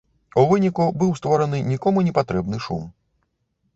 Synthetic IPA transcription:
uvɨnʲikubɨwst̪vɔɾɐnɨnʲikɔmunʲɛpat̪ɾɛbnɨʂṵm

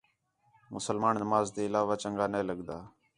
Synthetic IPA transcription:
mʊsəlmaːnːəmaːzd̪eːɪlaːʋaːt͡ʃəŋɡaːneːləɠd̪aː

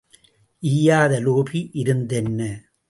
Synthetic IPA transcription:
ʔiːjaːðɐloːpiʔɪɾɯnd̪ɛnːɐ

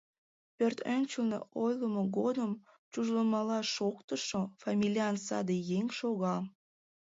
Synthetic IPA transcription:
pørt̪ønʲt͡ɕəlnḛojləmoɣod̪əm | t͡ɕuʒləmɑlɑʃokt̪əʃofɑmʲilʲiɑnsɑ̰d̪ejeŋʲʃoɣɑ

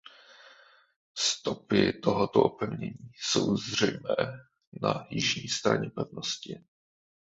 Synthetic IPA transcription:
st̪opɪ̰t̪oɦot̪oʔopɛvɲɛɲiːsowzr̝ɛjmɛː | najɪʒɲiːst̪ɾa̰ɲɛpɛvnoscɪ

